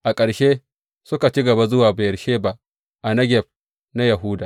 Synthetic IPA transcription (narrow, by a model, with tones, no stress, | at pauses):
ʔa˨kʼɐ˨ɽʃeː˦ | sʊ˦ka˨t͡ʃi˦ɡɐ˨ba˦zʊ˦waː˨ba˨jɐ˨ʃeː˦ba˦ʔ | ʔa˨nɐ˦ɡʲɛ˨ɸ̚ | na˦ja˨ɦu˦daː˨